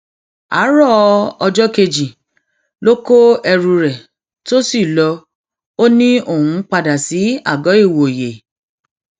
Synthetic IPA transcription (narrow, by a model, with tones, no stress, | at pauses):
a̰˨˦ɾɔ˦ɔ˧d͡ʒɔ˦ke˧d͡ʒi˨ | lo˦ko˦ɛ˧ɾũ˧ɾɛ˨ | to˦si˦˨lɔ˧ | o˦nĩ˦o˦˨hũ˦k͡pa˧da˨si˨˦a̰˦˨ɡɔ˨˦i˦˨wo˨je˨